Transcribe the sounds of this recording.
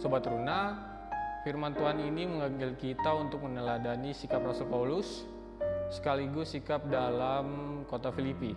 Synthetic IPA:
sobat̪runa | firmant̪uɦaniniməŋamɪlkit̪aunt̪ʊk̚mənəladanisikaprasɔlpaulʊsː | ə̥kaliɡʊsːikap̚dalamkot̪afilipi

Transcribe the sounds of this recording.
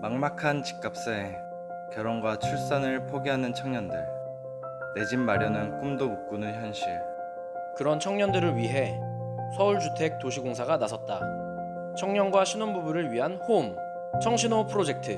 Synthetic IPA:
maŋmakʰant͡ɕi̥k͈ap̚s͈ae | kjʌɾʌnɡwat͡ɕʰuɭs͈anɯɭpʰoɡeɦanɯnt͡ɕʰʌŋɲʌndɯɭ | ne̞d͡ʑinmaɾjʌnɯnk͈umdomuk̚k͈unɯnçjʌnɕ͈iɭ | kɯɾʌnt͡ɕʰʌŋɲʌndɯɾɯɭɥiɦe̞ | sʰʌuɭt͡ɕutʰe̞k̚t͈oɕʰiɡoŋsʰaɡanasʰʌt̚t͈a̰ | t͡ɕʰʌŋɲʌnɡwaɕʰinonbubuɾɯɭɥiɦanhom | t͡ɕʰʌŋɕʰinopʰɯɾod͡ʑe̞k̚tʰɯ

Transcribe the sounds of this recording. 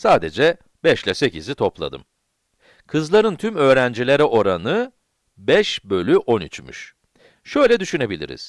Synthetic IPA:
saːd̪ed͡ʒɛ | bɛʃlʲɛse̞cizit̪ʰo̞plˠa̰d̪ɯ̰m | kʰɯzlˠaɾɯnt̪ʰymø̞ːɾænd͡ʒilʲeɾɛʔo̞ɾanɯ | bɛʃbø̞lʲyʔo̞nyt͡ʃmy̰ʃ | ʃø̞jlʲɛd̪yʃyne̞bilʲḭɾḭz̥

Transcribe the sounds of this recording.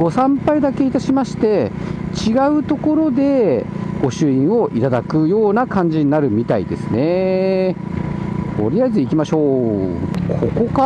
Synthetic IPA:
ɡ̥o̞sãmpaid̪ake̞it̪aɕimaɕi̥t̪e̞t͡ɕiɡaɯ̟t̪o̞ko̞ɾo̞d̪e̞ɡ̥o̞ɕɨĩɰ̃o̞ʔit̪ad̪akɯ̟jo̞ːnakãɲ̟d͡ʑiɲinaɾɯ̟mʲit̪aḭd̪e̞sɨne̞ | t̪ʰo̞̰ɾʲiaizɨikʲimaɕo̞ː | kʰoko̞ka

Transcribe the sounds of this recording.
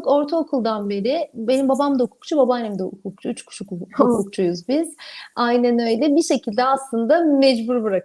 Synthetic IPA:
ko̞ɾt̪ʰaokʰulˠd̪anbe̞ɾibe̞nimbabamd̪aukʰu̥kt͡ʃʰubabanɛmd̪ɛukʰuk̚t͡ʃʰuyt͡ʃkʰu̥ʃukukʰuk̚t͡ʃʰujuzbiz̥ajnænø̞jlʲɛbiʃe̞cʰilʲd̪ɛaslˠɯnd̪amɛd͡ʒbuɾbɯɾak

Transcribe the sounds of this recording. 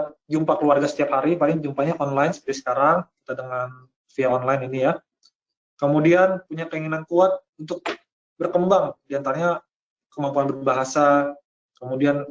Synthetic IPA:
d͡ʒumpakəluarɡasə̥t̪iaphaɾipalɪŋd͡ʒumpaɲaʔɔnlajnsə̥pəɾisə̥kaɾaŋki̥t̪adəŋan | fiaɔnlajninija | kəmudianpuɲakəiŋinankuat̪̚unt̪ʊk̚ | bərkəmbaŋdiant̪aɾaɲa | kəmampuanbərbaɦasa | kəmudian

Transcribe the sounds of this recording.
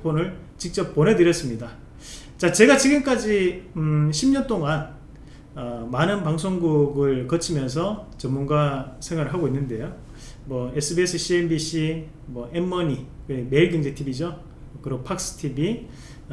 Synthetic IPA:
pʰonɯɭ | t͡ɕik̚t͡ɕ͈ʌp̚p͈ːonɦe̞dɯɾjʌs͈ɯmɲida | t͡ɕat͡ɕe̞ɡat͡ɕiɡɯmk͈ad͡ʑi | ɕʰimɲʌnt͈oŋan | ʌmanɯnpaŋsʰoŋɡuɡɯɭkʌt͡ɕʰimjʌns̬ʰʌt͡ɕʌmunɡasʰe̞ŋwaɾɯɭɦaɡoinːɯnde̞jo | mwʌesʰɯbiesʰɯɕʰienbiɕ͈ʰi | mwʌʔemːʌɲiweme̞iɭɡeŋd͡ʑetʰibid͡ʑo | ʌkɯɾopʰak̚s͈ɯ̥tʰibi

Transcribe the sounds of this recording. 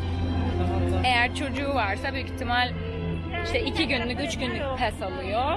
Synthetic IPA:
e̞jæɾt͡ʃʰo̞d͡ʒuːvaɾsabyjycit̪ʰːimalʲ | iʃt̪ɛicʰiɟynlːʲycʲyt͡ʃɟynlypʰɛsalˠɯjo

